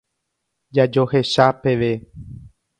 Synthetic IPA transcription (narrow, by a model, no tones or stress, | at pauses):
d͡ʒad͡ʒo̞he̞ʃape̞ʋe̞